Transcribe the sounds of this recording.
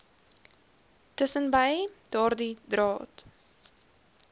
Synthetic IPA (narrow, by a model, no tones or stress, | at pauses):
təsənbəjd̥ɑːrdidrɑːt